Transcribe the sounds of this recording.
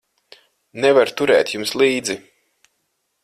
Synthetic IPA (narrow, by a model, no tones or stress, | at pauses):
nɛvaɾt̪uɾɛ̰ːt̪ʲjumslˠiːd̪zi